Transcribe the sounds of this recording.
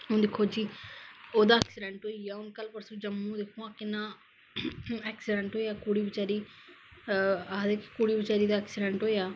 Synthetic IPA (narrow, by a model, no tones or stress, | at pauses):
ʊ̃nd̪ekʰːoːd͡ʒiːoːd̪aːɛːksɪɖɛ̃ːɳʈɦoːiːaːʊnkəlpəɾsũːd͡ʒəmːũːd̪ekʰːõːãːkɪnãː | ɛːksɪɖɛ̃ɳʈɦoːijaːkuːɽiːbɪt͡ʃaːɾiː | aːd̪ekkuːɽiːbət͡ʃaːɾiːd̪aːɛːksɪɖɛ̃ɳʈɦoːejaː